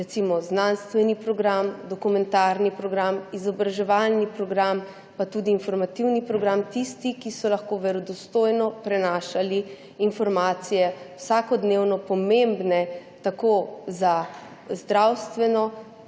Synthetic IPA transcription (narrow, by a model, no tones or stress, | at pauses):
ɾɛt̪simɔznanst̪ʋɛnipɾɔɡɾamd̪ɔkumɛ̃nt̪aɾnipɾɔɡɾamizɔbɾaʒɛʋalnipɾɔɡɾam | pat̪ud̪iːnfɔɾmat̪iwnipɾɔɡɾamt̪ist̪ikisɔlaxkoʋɛɾɔd̪ɔst̪ojnɔpɾɛnaːʃaliː | nfɔɾmaːt̪sijɛwsakɔd̪newnɔpɔmembnɛt̪akoza | zd̪ɾawst̪ʋɛnɔ